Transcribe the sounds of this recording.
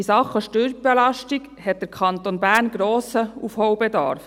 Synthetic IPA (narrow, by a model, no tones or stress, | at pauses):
isɑχːəʃtøɾb̥ɛlɑʃtiɡ | hɛt̪̚d̥̪əɾkʰχɑnt̪onbæːɾnɡɾɔːsəufhɔwbɛd̪ɑ̰ːɾf